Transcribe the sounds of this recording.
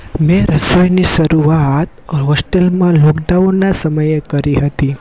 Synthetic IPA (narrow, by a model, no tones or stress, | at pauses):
mẽɾəsojniʃəɾuaat̪ɦɔsʈelmãloɡɖaʋonasəməjekəɾiɦət̪i